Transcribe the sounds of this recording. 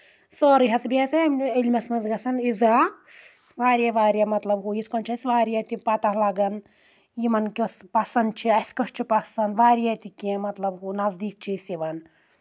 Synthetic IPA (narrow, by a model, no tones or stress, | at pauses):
sɔːɾiɦɐsbiɐsimilʲmɐsmɐzɡɐsɐnizaː | ʋaːɾjaʋaːɾʲjamɐt̪lɐbɦuːjisʰkɔnt͡ʃʰɐsʋaːɾijɐt̪ipɐt̪ɐhlɐɡɐn | jimɐnkʲɐspɐsɐnd̪̚t͡ʃʰiɐskɐst͡ʃʰipɐsɐnd̪ʋaːɾijat̪ikẽmɐt̪lɐbɦunɐzd̪iːk̚t͡ʃʰisiʋɐn